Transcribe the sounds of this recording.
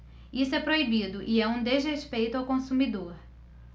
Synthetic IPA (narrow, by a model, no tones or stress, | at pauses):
isʊɛpɾoibid̪ʊʔɪɛũd̪ezɦeʃpejt̪ʊawkõsumid̪oɾ